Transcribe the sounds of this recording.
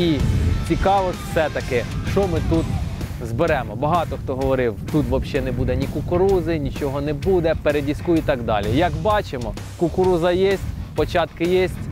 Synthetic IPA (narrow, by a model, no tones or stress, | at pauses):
it͡sʲikɑʋɔsʲsɛt̪ɐkɪʃt͡ʃɔmɪt̪ut̪ | zbeɾɛmɔbɐɦɑt̪ɔxt̪ɔɦɔʋɔɾɪwt̪ut̪ʋɐbʃɛnɛbud̪ɛnʲikʊkʊɾuzɪnʲit͡ʃɔɦɔnɛbud̪ɛpeɾedʲiskuit̪ɑɡd̪ɑ̰lʲijɐkbɑt͡ʃemɔ | kʊkʊɾuzɐjɛsʲtʲpɔt͡ʃɑt̪kɪjesʲtʲ